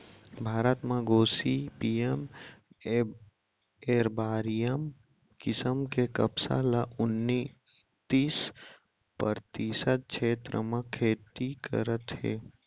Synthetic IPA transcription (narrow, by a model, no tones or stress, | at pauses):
bʱaːɾət̪mãɡoːsipiem | eːɾbaːɾijəm | kɪsəmkekəbsa̰laʔʊnːi | t̪iːs | pəɾt̪isəd̪̚kʰeːt̪ɾə̰mãkʰeːt̪ikə̰ɾət̪ɦḛː